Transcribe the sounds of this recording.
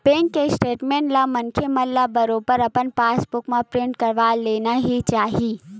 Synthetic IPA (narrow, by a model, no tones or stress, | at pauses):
pẽːŋkːesʈeːʈmẽːɳʈlɐmɐnkʰemɐlːɐbɐɾopəɾɐpənpaːsbʊkmãpɾɪ̃ɳʈkɐɾʋaːleːnaɦit͡ʃaːɦi